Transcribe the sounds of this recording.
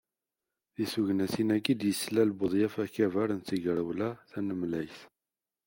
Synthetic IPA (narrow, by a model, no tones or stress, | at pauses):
ðisuʝnæsinæɡid̪jəslælbəðˤjæfæçævæɾənt͡s̪ːəʝɾəwlæθænəmlæjθ